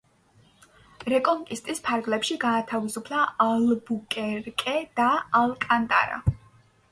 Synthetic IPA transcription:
ɾɛkʼɔŋkʼist̪ʼispʰaɾɡlɛpʃiɡaːt̪ʰavisupʰlˠaːlbukʼɛɾkʼɛd̪̥aalˠkʼant̪ʼa̰ɾa̰

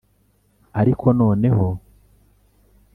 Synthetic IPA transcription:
aɾikʰo̞no̞ːne̞ho̞

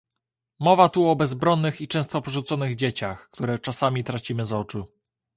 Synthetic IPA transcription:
mɔvat̪uɔbɛzbɾɔnːɘxit͡ʂɛ̃w̃st̪ɔpɔʐut̪sɔnɘɣd͡ʑet͡ɕaxkt̪uɾɛt͡ʂasamʲit̪ɾat͡ɕimɘzɔt͡ʂu

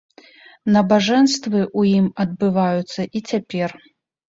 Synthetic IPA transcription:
nɐbaʐɛnst̪vɨʔujimɐd̪̚bɨvajut̪sːɐʔit͡sʲapʲɛr

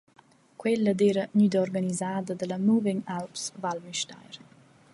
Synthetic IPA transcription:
kwɛlːəd̪eːɾəɲyd̪ɔrɡanizaːd̪əd̪əlamuvɛɲalpsvalmiʃta̰jɾ

